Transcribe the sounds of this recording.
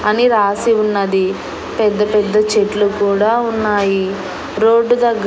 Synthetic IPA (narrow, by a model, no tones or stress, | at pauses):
ɐniɾaːsiunːɐd̪i | pɛd̪ːɐpɛd̪ːɐt͡ʃeʈlukuːɽaːunːaːji | ɾoːɖːud̪ɐɡː